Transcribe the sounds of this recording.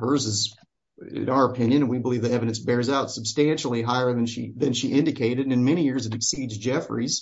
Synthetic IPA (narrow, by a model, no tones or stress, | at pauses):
hə˞zɨz | ɪ̰̃naʊə˞əpʰɪ̃njɨ̃nɨ̃nwibəlivðiɛvɨɾɨ̃nsbɛɹzaʊtsəb̥stæ̃nʃl̩ˠiɦaɪə˞ðɨ̃nʃḭðɨ̃nʃiʔɪ̃ndɨkʰeɪɾɨɾɨ̃nmɛɾ̃ijɪɹzɨɾɨksidzd͡ʒɛfɹiz̥